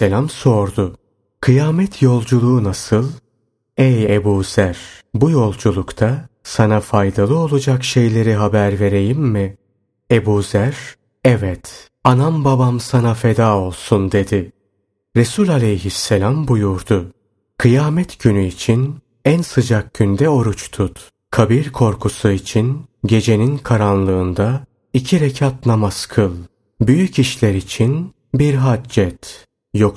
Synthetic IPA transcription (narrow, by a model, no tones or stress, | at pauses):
elʲamso̞ɾd̪ʊ | kʰɯjaːmɛt̪ʰjo̞lˠd͡ʒulˠuːnasɯlˠ | ɛjebuːz̥æɾ̥bujo̞lˠd͡ʒulˠukt̪ʰasanafajd̪alˠɯo̞lˠud͡ʒakʃe̞jlʲe̞ɾiɦabæɾve̞ɾe̞jimːɪ | e̞buːzæɾ̥ | ɛvɛt̪ | anambabamsanafe̞d̪aːo̞lˠsund̪e̞d̪ɪ | ɾesulʲalʲejɦisːelʲambujuɾd̪ʊ | kʰɯjaːmɛt̪ɟ̥ynyit͡ʃʰin | ænsɯd͡ʒak̚ɟynd̪ɛo̞ɾut͡ʃt̪ʰut̪ | kʰabiɾkʰo̞ɾkʰusuit͡ʃʰinɟe̞d͡ʒe̞ninkʰaɾanlˠɯːnd̪a | icʰiɾecʰat̪̚namaskʰɯlˠ | byjyciʃlʲɛɾit͡ʃʰin | biɾɦad͡ʒɛt̪ | jok